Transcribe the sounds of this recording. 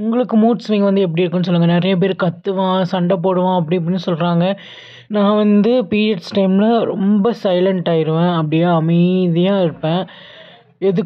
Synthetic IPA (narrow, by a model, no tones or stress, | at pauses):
ʊŋɡɐɭɯkːɯmuːʈsʋĩːŋɡɐʋɐnd̪ɯɛp̬ːɐɽiɪɾɯkːɯ̃nːɯs̬ɔlːɯŋɡɐnɪɾɐjɐp̬eːɾkɐt̪ːɯʋãːsɐɳɖɐpoːɽɯʋãːɐp̬ːɐɽiɐp̬ɐɽɪnːɯsɔlɾaːŋɡɐ | nãːʋɐnd̪ɯpiːɛʈsʈɐɪmlɐɾɔ̰mbɐsɐɪlɐɳʈaːɪɾɯʋẽːɐpːɐɽɪjaːɐmɐɪðɪjaːɪɾɯpːẽː | ɛðɯ